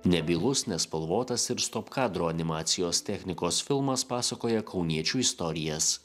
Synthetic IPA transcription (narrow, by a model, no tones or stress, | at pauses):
nʲɛbʲiːlˠʊsnʲɛspɐlˠʋoːt̪ɐsɪɾst̪oːpkɑːd̪ɾoːɐnʲɪmɑːt̪sʲɪjoːst̪ʲɛxʲnʲɪkoːsfʲɪlˠmɐspɑːsɐkoːjɛkʰɒʊnʲiɛt͡ʃʲuːɪst̪ɔɾʲɪjɛs